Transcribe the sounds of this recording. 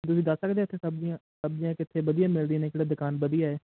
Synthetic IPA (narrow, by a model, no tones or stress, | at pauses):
t̪̬ʊs̬ĩːd̪əsːəkd̪eːɪt̪ʰːẽːsəbziãːsəbd͡ʒijãːkɪt̪ʰːeːʋəd̪ijãːmɪld̪ineːkɪɽaːd̪ɪkaːnbəd̪ijaːɛː